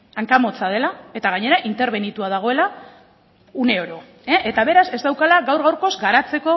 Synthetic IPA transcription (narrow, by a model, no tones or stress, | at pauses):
aŋkamo̞t͡sað̞e̞lae̞t̪aɣ̞aɲe̞ɾaʔint̪e̞ɾβe̞nit̪uaðaɣ̞o̞e̞la | une̞oɾo̞ | eʔet̪aβe̞ɾase̞zd̪awkalaɣawɾɣawɾko̞zɡaɾat͡se̞ko̞